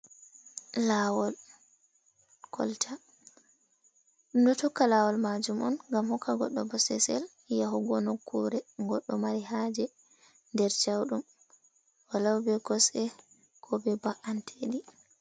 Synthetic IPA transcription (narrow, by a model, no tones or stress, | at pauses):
lawɔl | kʰɔ̰ltʰa | dutɔkːalawɔlmad͡ʒumɔ̰nŋɡamhɔkʰːaɡɔɗːɔbɔsɛsɛ̰l | jaɦuɡɔnɔkʰːuɾɛɡɔɗːɔmaɾihad͡ʒɛ | ndɛɾt͡ʃawɗum | walawbɛkɔsɛ | kʰɔbɛbaʔantʰeɗi